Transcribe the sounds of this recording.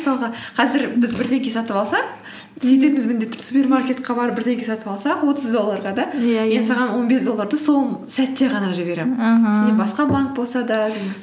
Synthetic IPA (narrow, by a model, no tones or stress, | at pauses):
sɑlˠʁɑqʰɑzɪɾbɪzbɪɾt̪e̞ŋɡʲe̞sɑt̪əpɑlˠsɑq | set̪e̞mɪzmɪnd̪e̞t̪ːɪ̥supʲe̞rmarkʲe̞t̪̚qʰɑbɑɾəp̚bɪɾt̪e̞ŋɡʲe̞sɑt̪əpɑlˠsɑqwo̞t̪əzd̪o̞lˠːɑɾʁɑd̪ɑjend̪sɑʁɑnwo̞nbesd̪o̞lˠːɑɾd̪əsoɴsæt̪ːe̞ʁɑnɑʒɪbe̞ɾemɪsnebɑsqɑbaŋk̚bo̞lˠsɑd̪ɑd̪eɡʲs